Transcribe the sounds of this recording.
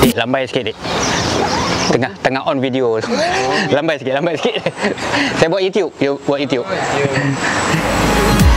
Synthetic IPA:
kiʔlambajsə̥kit̪̚iʔ | t̪əŋaht̪əŋahʔɔnvidiotulambajsi̥kɪt̚lambajsi̥kit̪̚ | sajabuat̪̚jut̪ijup̚jubwat̚jut̪jup̚

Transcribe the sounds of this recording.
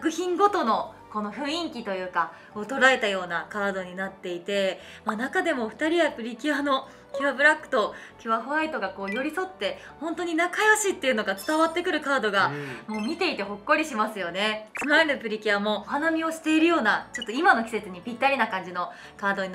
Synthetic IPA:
skɯ̟çĩŋɡo̞t̪o̞no̞ | ko̞noɸɯ̟̃ĩŋkʲit̪o̞jɯ̟ːka | kot̪o̞ɾae̞t̪ajo̞ːnakaːd̪o̞ɲ̟inat̪ːe̞it̪e̞ | manakad̪e̞mo̞ɸɯ̟̥t̪aɾʲiapɯ̟ɾʲikʲiano̞ | kʲɨβabɯ̟ɾakːɯ̥t̪o̞kʲɨβaɸɯ̟ait̪o̞ɡako̞ːjo̞ɾʲiso̞t̪ːe̞ | hõ̞nt̪o̞ɲ̟inakajoɕit̪ːe̞iɯ̟no̞ɡat͡sɨ̥t̪aβat̪ːe̞kɯ̟ɾɯ̟kaːd̪o̞ɡamo̞ːmʲit̪e̞it̪e̞ɦo̞kːo̞ɾʲiɕimasɨjo̞ne̞t͡sɨmaɾenɯ̟pɯ̟ɾʲikʲiamo̞hanamʲio̞ɕi̥t̪e̞iɾɯ̟jo̞ːnat͡ɕo̞t̪ːoimano̞kʲi̥se̞t͡sɨɲ̟ipʲit̪ːaɾʲinakãɲ̟d͡ʑino | kaːd̪o̞ɲi

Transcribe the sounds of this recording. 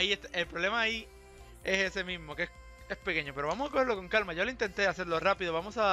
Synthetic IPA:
ieht̪elpɾole̞maːi | e̞se̞se̞mĩzmo̞keeh | e̞spe̞ke̞ɲo̞pe̞ɾoβamosako̞heɾlo̞ko̞ŋkalmaʝo̞leint̪e̞nt̪e̞ase̞ɾlo̞rapiðoβamo̞sa

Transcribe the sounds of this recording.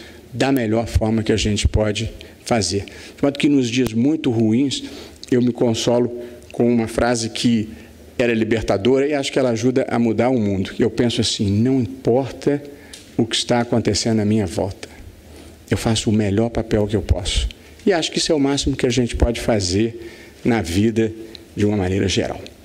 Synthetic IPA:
d̪ɐmeʎɔɾfɔɾmɐkɪaʒẽnt͡ʃɪ̥pɔd͡ʒɪ | fazeɾd͡ʒɪmɔ̃d̪ʊ̥kɪnʊzd͡ʒiɐzmũj̃t̪ʊhuĩsewmɪkõsɔlʊkõũmɐfɾazɪkʰɪ | ɛɾɐlibeɾt̪ad̪oɾɐɪaʃʊ̥kɪɛlɐaʒud̪ɐʔɐ̰mud̪aɾʊmũnd̪ʊewpẽsʊasĩnɐ̃w̃ĩpɔɾt̪ɐ | ʊkɪist̪aːkõnt̪esẽd̪ʊnɐmĩɲɐvɔ̰wt̪ɐ̥ | ewfasʊːmeʎɔɾpapɛwkɪewpɔ̰sʊ̥ | ɪaʃʊ̥kɪisʊɛʊmasimʊkɪaʒẽt͡ʃɪ̥pɔd͡ʒɪfazeɾ | nɐvid̪ɐ | d͡ʒɪũmɐmãnejɾɐʒḛɾʔa̰w

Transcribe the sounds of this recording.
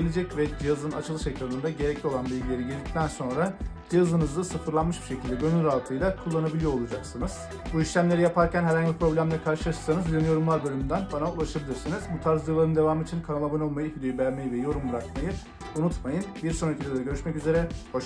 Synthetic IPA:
elʲed͡ʒɛcvɛd͡ʒijazɯna̰t͡ʃʰɯlˠɯʃecɾanɯnd̪aɟe̞ɾɛclʲio̞lˠanbilʲɡieɾiɟilʲd̪ic̚t̪ʰænso̞nɾad͡ʒijazɯnɯzd̪asɯfɯɾlˠanmɯʃbiʃe̞cʰilʲd̪ɛɟønylʲalˠt̪ʰɯjlˠakʰulˠːanabilʲijo̞ɾolˠud͡ʒaksɯnɯz̥ | buiʃlʲæmlʲe̞ɾijapʰaɾcʰænɦhæɾhaɲɟlʲipʰɾo̞blʲæmd̪ʲɛkʰaɾʃɯlˠaʃɯ̥sanɯzynyjo̞ɾumlˠaɾbølʲymynd̪ænbanaulˠaʃabilʲiɾsinizbut̪ʰaɾzɯlˠaɾɯnd̪e̞vaːmɯːt͡ʃʰinkʰanalˠabɯno̞lˠmajɯfid̪e̞jybæɾmejivɛjo̞ɾumbɯɾakmajɯ | unut̪majɯnbiɾso̞nɾecʰilʲd̪ed̪ɛɟøɾyʃmɛcyze̞ɾɛhoʃ

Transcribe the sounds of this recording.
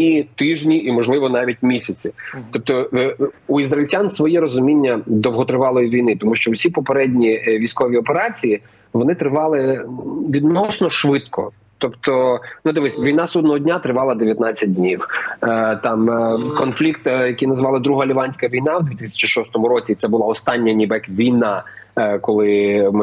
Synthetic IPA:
it̪ɪʒnʲiʔimɔʒlˠɪʋɔnɑʋʲit̚ʲmʲisʲɐt͡sʲit̪ɔp̚t̪ɔ | uizɾɐɪlʲtʲansʋɔjɛɾɔzʊmʲinʲːɐd̪ɔwɦɔt̪ɾɪʋɑlˠɔjiʋʲijnɪt̪ɔmuʃt͡ʃɔwsʲipɔpeɾɛdʲnʲiʋʲijsʲkɔʋʲiɔpeɾɑt͡sʲiji | ʋɔnɪt̪ɾɪʋɑlˠɪʋʲid̪nɔsnɔʃʋɪt̪kʰɔ̰ | t̪ɔpt̪ɔnʊd̪ɪʋɪsʲʋʲijnɑsud̪nɔɦɔdʲnʲat̪ɾɪʋɑlˠɐd̪eʋjɐt̪nɑt͡sʲːɐt̚ʲdʲnʲiw | t̪ɑmkɔnflʲikt̪jɐkijnɐzʋɑlˠɐd̪ɾuɦɐlʲiʋɑnʲsʲkɐʋʲijnɑwd̪ʲʋʲit̪ɪsʲɐ̥t͡ʃiʃɔst̪ɔmʊɾɔt͡sʲit̪sɛbʊlˠɑɔst̪ɑnʲːɐnʲibɛkʋʲijnɑ | kɔlˠɪ

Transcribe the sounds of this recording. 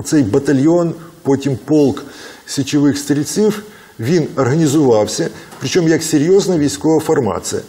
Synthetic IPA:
t̪sɛjbɐt̪ɐlʲjonpotʲimpolˠksʲɪt͡ɕɪʋɪxst̪ɐɾʲɪt̪sif | ʋʲinɐrɦɐnʲɪzʊʋɑwsʲɐpɾʲɪt͡ɕomjɐksʲeɾʲjoznɐʋʲijskɔʋɐfɐrma̰t̪sɨjɐ̰

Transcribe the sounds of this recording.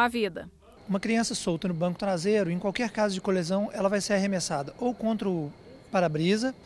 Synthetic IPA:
avid̪ɐ̰ | ũmɐkɾiɐ̃sɐsowt̪ɐnʊbɐ̃ŋkʊ̥t̪ɾazejɾʊẽj̃kwawkɛɾkazʊd͡ʒɪkolezɐ̃w̃ʔɛlɐvajseɾaɦemesad̪ɐʔowkõnt̪ɾʊ | paɾabɾizɐ

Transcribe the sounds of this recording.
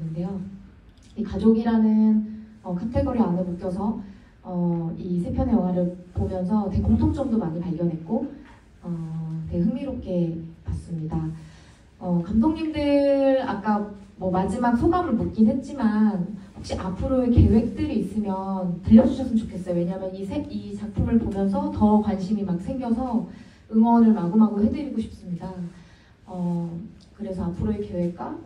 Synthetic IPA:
nde̞jo | ikad͡ʑoɡiɾanɯnʌkʰatʰeɡuɾianɯmuk͈̚jʌsʰʌ | ʌisʰepʰjʌnjʌŋɦaɾɯɭpomjʌnsʰʌte̞koŋtʰoŋt͡ɕ͈ʌmdomaɲipaɭɡjʌnɦe̞t̚k͈o | ʌte̞ɦɯŋmiɾop̚k͈e̞pas͈ɯmɲida | ʌkamdʰoŋɲimdɯɾa̰k͈amwʌmad͡ʑimak̚sʰoɡamɯɭpuk͈inɦwe̞t̚t͡ɕ͈imanɸok̚ɕ͈iʔapʰɯɾoeke̞we̞k̚t͈ɯɾiːs͈ɯmjʌntɯʎːʌd͡ʑuɕʰʌs͈ʰɯnt͡ɕokʰe̞s͈ʌjowe̞ɲamjʌnisʰeɡit͡ɕak̚pʰumɯɭpomjʌnsʰʌtʌkwanɕʰimimak̚sʰe̞ŋɡjʌsʰʌ | ɯŋwʌnɯɭmaɡumɦaɡoɦe̞dɯɾiɡoɕʰi̥p̚s͈ɯmɲida | ʌ | kɯɾe̞sʰʌapʰɯɾoeke̞we̞k̚k͈a

